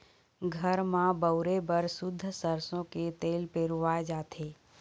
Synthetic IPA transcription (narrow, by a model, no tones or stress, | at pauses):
ɡʱəɾmãbəʊɾebəɾsʊd̪ʱːsəɾsõket̪eːlpeːɾʋaed͡ʒaːt̪ʰeː